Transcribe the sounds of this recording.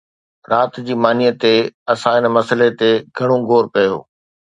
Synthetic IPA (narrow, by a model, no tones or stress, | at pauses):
ɾaːt̪d͡ʑiːmaːnijət̪eɐsãɪnmɐsəlet̪eɡʱɐɽ̃õɡʱoːɾkɐjo̰ː